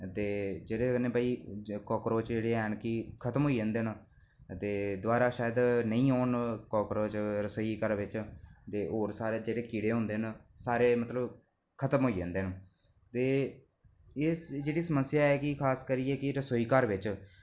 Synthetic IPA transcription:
t̪eːd͡ʒeːɽeːkəneːbaːiːkɔːkɾoːt͡ʃd͡ʒeːɽeːɛːnkɪkʰət̪əmɦoːiːẽːnd̪eːn | t̪eːd̪ʊaːɾaːʃaːjəd̪nəĩːoːnkɔːkɾoːt͡ʃɾəsoːiːkəɾʋɪt͡ʃt̪eːɦoːɾsaːɾeːd͡ʒeːɽeːkiːɽeːɦʊ̃ːnd̪eːnsaːɾeːmət̪ləb | kʰət̪əmɦoːiːd͡ʒẽːnd̪eːn | t̪eː | ɪsd͡ʒeːɽiːsəməsɪjaːɛːkɪkʰaːskəɾiɛːkɪɾəsoːiːkəɾʋɪt͡ʃ

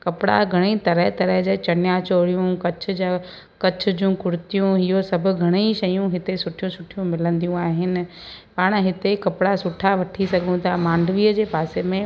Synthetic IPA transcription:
kɐpɪɽa̰ɡʱɐɽ̃it̪ɐɾəɦt̪ɐɾəɦd͡ʑat͡ɕɐnjat͡ɕoːɽijũkɐt͡ɕʰʊ̆d͡ʑa | kɐt͡ɕʰʊ̆d͡ʑũkʊɾɪt̪ijũɦɪɦosɐbʱʊ̆ɡʱɐɽ̃eʃɐjũɦɪt̪esʊʈʰijũsʊʈʰijũmɪlə̃nd̪ijũaːɦɪnɪ̆paːɽ̃ɦɪt̪ekɐpɪɽasʊʈʰaʋɐʈʰisɐɡʱũt̪ʰamãːɳɖʱʋiːəd͡ʑeːpaːsemẽ

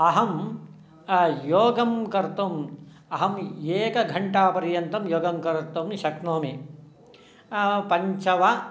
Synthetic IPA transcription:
ɐɦɐm | joːɡɐmkɐɾt̪om | ɐɦɐmjeːkɐɡʱɐɳʈaːpɐɾjɐnt̪ɐmjoːɡɐmkɐɾɐt̪ɐmniʃɐknoːme | pɐɲt͡ʃɐʋɐ

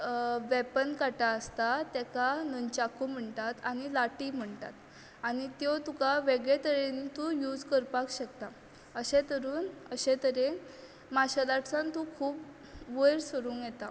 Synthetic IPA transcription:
ʋɛpənkaʈaəst̪at̪ɛkanəɲt͡ɕakum̤əɳt̪at̪añilaʈiːm̤əɳt̪a̰t̪ | aɽ̃it̪jot̪ukaʋeɡɭet̪əɾent̪ujuːd͡zkəɾpakɕəkt̪a | əɕẽt̪əɾuːnəɕet̪əɾe | maɕalaʈʰsãnt̪ukʰuːp | ʋəjɾsəɾuːnjɛt̪a

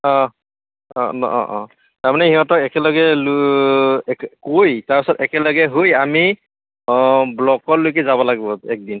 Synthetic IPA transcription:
ɔ̃ | ɔnɔ̰ʔɔ̰̃ʔɔ̃ | taɹmanɛhiɦɔtɔkɛkɛlɔɡɛl | kkojtaɹpisɔtɛkɛlɔɡɛɦojami | blɔkɔɹlojk̬ɛzabɔlaɡibɔɛk̚din

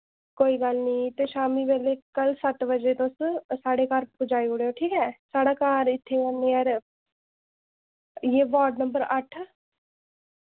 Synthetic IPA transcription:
koːiːɡəlniːt̪eːʃaːmiːʋeːleːkəlsət̪bəd͡ʒeːt̪ʊssaːɽeːkaːɾpʊd͡ʒaːioːɽejoːʈʰiːkɛːsaːɽaːkaːɾɪt̪ʰːeːãneːəːɾ | jeːʋaːɾɖnəmbəɾəʈʰ

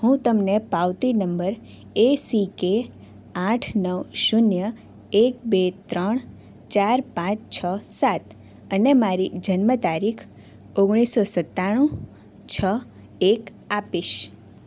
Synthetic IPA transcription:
hũt̪əmnepaʋt̪inəmbəɾ | esike | ãʈʰnəʋʃʊnjə | ek̚bet̪ɾəɳ̃ | t͡ʃaɾpãt͡ʃt͡ʃʰəsat̪ | ənemaɾid͡ʒənmət̪aɾikʰ | oɡɽ̃isosət̪ːaɽ̃ũ | t͡ʃʰə | ek | apiʃ

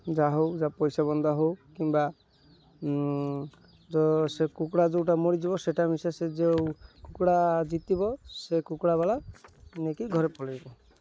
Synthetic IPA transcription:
d͡ʒaɦowd͡ʒapɔjsabɔnd̪ʱɔɦowkimba | d͡ʒɔsekukɽad͡ʒewʈamɔɽid͡ʒibɔseʈamisased͡ʒewkukɽad͡ʒit̪ibɔsekukɽabalanekiɡʱɔɾepɔlibɔ

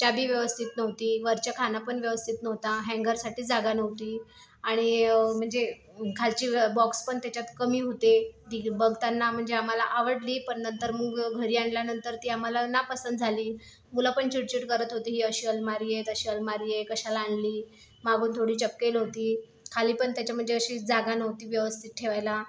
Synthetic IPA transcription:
t͡ɕjabʱiːʋjəʋəst̪ʰit̪nəʋt̪iːʋəɾt͡ɕakʰanapəɳʋjəʋəst̪ʰit̪nəʋt̪aɦɛ̃ŋɡəɾsaʈiːd͡zaɡanəʋt̪iː | aɽ̃im̤əɳd͡ze | kʰalt͡ɕiːbɔkspəɳt̪jat͡ɕjat̪kəmiːɦot̪ed̪ibəɡʱt̪anːam̤əɳd͡zeamalaʔaʋəɽliːpəɳnənt̪əɾməːɡɡʱəɾiːaɳljanənt̪əɾt̪iːam̤alanapəsənd̪d͡zʱaliː | mulapəɳt͡ɕuʈ̚t͡ɕuʈkəɾət̪ɦot̪iːɦiːəɕiːəlmaɾijet̪əɕiːəlmaɾijekəɕalaaɳliː | maɡuːnt̪ʰoɽiːt͡ɕəpːelɦot̪iː | kʰaliːpəɳt̪jat͡ɕjam̤əɳd͡zeəɕiːd͡zaɡanəwt̪iːʋjəʋəst̪ʰit̪̚ʈʰeʋajla

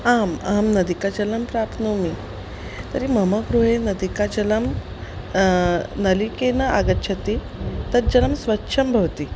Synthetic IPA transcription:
amamnəd̪ikad͡ʑɐləmpɾapnumi | t̪əɾiməməɡɾuɦenəd̪ikad͡ʑɐləm | nəlikenaʔaɡətːɕʰət̪i | t̪ət̪̚d͡ʑələmsʋətːɕʰɐmbʱɐʋt̪i

